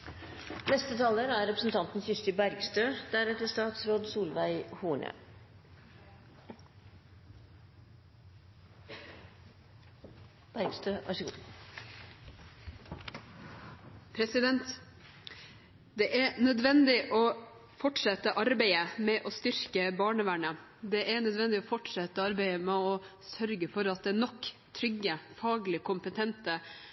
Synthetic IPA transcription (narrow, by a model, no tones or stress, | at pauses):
nɛst̪ət̪ʰɑːləɾæɾɾɛpɾəsn̩t̪ʰɑnt̪n̩sʏst̪ɪbæɾɡst̪øːd̪̥æɾɛt̪əst̪ɑːt̪sɾoːd̪suːlʋæɪhuːɳə̰ | b̥æɾɡst̪øːʋɑ̰ʂəɡu | pʰɾɛsɪd̪ɛnt̪ | d̪ɛʔæɾnœd̪ʋɛnd̪ɪʔɔː | fɔʈʂɛt̪əʔɑɾbæɪəmɛʔɔst̪ʏɾkəbɑːɳəʋæɳə | d̪ɛʔæɳœd̪ʋɛnd̪ɪɔfɔʈʂɛt̪ːəɑɾbæɪəmɛɔ | sœɾɡəfɔɾɑt̪̚d̪ɛːnɔkːt̪ʰɾʏɡəfɑːɡlɪkʰʊmpət̪ʰɛnt̪ə